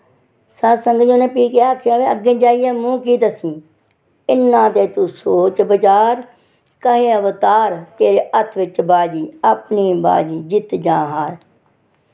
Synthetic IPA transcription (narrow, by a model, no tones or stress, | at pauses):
səsəŋɡd͡ʒõːnẽːpiːkeːaːkʰjaːʋeːəɡẽːd͡ʒaːijɛːmũːkiːt̪əsĩː | ɪnːãːt̪eːt̪uːsoːt͡ʃbət͡ʃaːɾ | kəɦẽːəʋt̪aːɾt̪eːɾeːʔət̪ʰʋɪt͡ʃbaːd͡ʒiːəpniːba̰ːd͡ʒiːd͡ʒɪt̪d͡ʒãːɦaːl